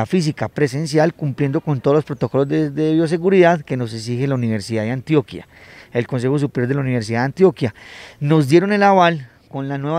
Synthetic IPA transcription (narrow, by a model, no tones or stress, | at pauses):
afis̬ikapɾe̞s̬e̞ns̬jalkumplje̞nd̪o̞ko̞nt̪o̞ð̞olo̞spɾo̞t̪o̞ko̞lozed̪eβjo̞s̬e̞ɣuɾiðaðke̞no̞s̬eks̬ixelauniβe̞ɾsiðaðeant̪jo̞kja̰e̞lko̞ns̬e̞xos̬upeɾjo̞ɾd̪elauniβeɾs̬iðaðant̪jo̞kjano̞zd̪je̞ɾo̞ne̞laβal | ko̞nlanwe̞βa